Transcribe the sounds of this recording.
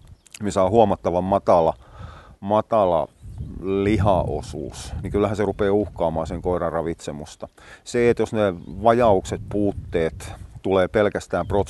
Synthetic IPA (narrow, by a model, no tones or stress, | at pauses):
misɑːhuomɑt̪ːɑʋɑmmɑt̪ɑlɑ | mɑt̪ɑlɑ̰ | lihɑʔo̰sṵːsniŋkylːæhæserupeːuhkɑːmɑːseŋkoiɾɑrɑʋit̪semust̪ɑ | seet̪josneʋɑjɑukset̪̚puːt̪ːeːt̪t̪uleːpelkæst̪æːmprot̪